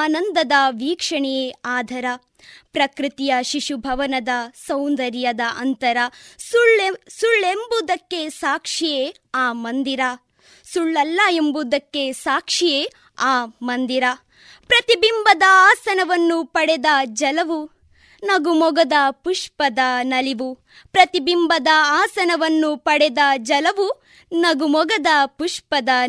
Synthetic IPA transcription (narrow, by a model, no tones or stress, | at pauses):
aːnɐnd̪ɐd̪ɐʋiːkʂɐɳɛjeaːd̪ʱɐɾɐ | pɾɐkɾit̪ijɐʃiʃubʱɐʋɐnɐd̪ɐsɐwnd̪ɐɾjɐd̪ɐʔɐnt̪ɐɾɐɭsuɭːembud̪ɐkːe̞saːkʂije | aːmɐnd̪iɾa | suɭːɐlːɐembud̪ɐkːe̞saːkʂijeː | aːmɐnd̪iɾa | pɾɐt̪ibimbɐd̪ɐaːsɐnɐʋɐnːupɐɽɛd̪ɐd͡ʒɐlɐʋu | nɐɡumɔɡɐd̪ɐpuʂpɐd̪ɐnɐliʋu | pɾɐt̪ibimbɐd̪ɐaːsɐnɐʋɐnːupɐɽɛd̪ɐd͡ʒɐlɐʋu | nɐɡumɔɡɐd̪ɐpuʂpɐd̪ɐ